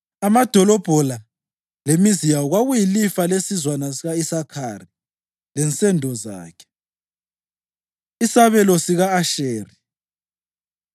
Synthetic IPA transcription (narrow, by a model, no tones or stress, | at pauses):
amad̥ʱɔlɔb̥ʱɔla | lemizijawɔɣwaɣujilifalesizwanasiɣaisakʰari | lɛnt͡sʼɛndʱɔza̰ːkʰɛ̥ | isaβɛlɔsiɣaːʃeːri